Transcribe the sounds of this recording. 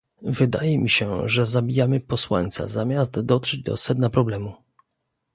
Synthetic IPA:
vɘd̪a̰jɛmʲiɕɛʐɛzabʲijamɘpɔswa̰ɲʲt̪sa̰zamʲazt̪d̪ɔtʂɛd͡ʑd̪ɔ̰sɛd̪̚napɾɔblɛmu

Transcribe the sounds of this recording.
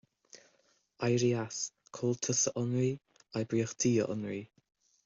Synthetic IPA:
ajɾias | kʰoːlˠtʰəsəʔɔnɹi | ajbɾiːəxd̥ʰiːə̰ʔɔ̰nɹi

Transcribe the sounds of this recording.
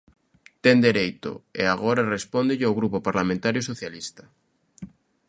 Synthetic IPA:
t̪end̪eɾejt̪o̰eaɣ̞oɾarespond̪eʎeawɣɾupopaɾlamẽnt̪aɾjosoθjalist̪ḁ

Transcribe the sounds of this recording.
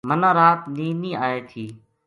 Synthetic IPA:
mənãːɾaːt̪niːniːaːeːt̪ʰiː

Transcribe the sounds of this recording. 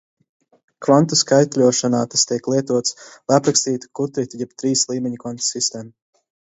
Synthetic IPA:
kvant̪uskajt̪ʲlʲuɔʃanaːt̪ast̪ʲiɛklˠiɛt̪uɔt̪slˠajapɾakst̪iːt̪u̥kut̪ɾit̪ʲujɛb̚t̪ɾiːslˠiːmʲɛɲukvant̪sist̪eːmu

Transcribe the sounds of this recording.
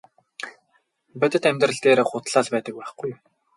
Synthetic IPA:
pæt̪ʲɘ̆t̪æmʲt̪rə̆ɮt̪eːɾχʊt̪ɮaːɮpæːt̪ə̆k̚pæːχɡuj

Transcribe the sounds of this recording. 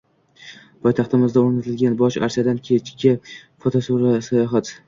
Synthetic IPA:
pʰɒjt̪ʰɑχt̪ɪmɪzd̪aoɾnat̪ʰɪlɡʲanbɒʃa̰ɾsijad̪ankʲʰe̞t͡ʃkʲɪfot̪ʰosuɾasajɒɦat̪

